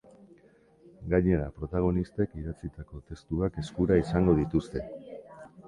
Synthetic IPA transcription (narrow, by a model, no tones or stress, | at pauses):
ɡaɲe̞ɾapɾo̞t̪aɣ̞o̞nist̪e̞kiɾat͡sit̪ako̞t̪e̞st̪uake̞skuɾaisaŋɡo̞ð̞it̪ust̪e̞